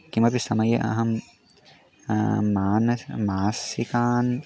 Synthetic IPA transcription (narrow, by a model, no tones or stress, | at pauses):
kimɐbisɐmɐjɐʔɐ̰ɦɐm | aːnɐmaːsikaːn